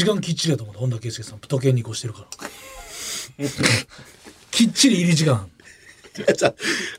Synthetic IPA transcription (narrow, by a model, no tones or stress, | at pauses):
ikãŋkʲit͡ɕːiɾiat̪omõt̪hond̪akesekesãmpɯ̥t̪o̞k̬ẽ̞ɲ̟ːiko̞ɕi̥t̪e̞ɾɯ̟kaɾa | kʲit͡ɕːiɾʲiːɾʲiʑikãŋ | a